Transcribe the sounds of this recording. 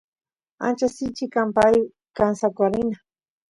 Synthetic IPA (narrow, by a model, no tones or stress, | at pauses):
a̰nt͡ʃasɪt͡ʃɪkampaj | kansakʷaɾɪna